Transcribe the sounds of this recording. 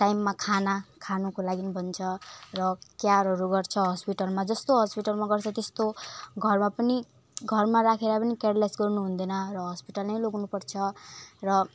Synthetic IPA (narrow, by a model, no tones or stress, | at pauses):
ʈajmːakʰanakʰanukolaɡinibʱʌnt͡sʰʌrʌkjaɾɦʌɾuɡʌrt͡sʰʌɦʌspiʈʌlmad͡zʌst̪oɦʌspiʈʌlmaɡʌrt͡sʰʌt̪est̪oɡʱʌrmapʌni | ɡʱʌrmaɾakʰeɾapʌnikeɽlasɡʌrnuɦund̪ʌnʌrʌɦʌspiʈʌlnʌjloɡnupʌrt͡sʰʌrʌ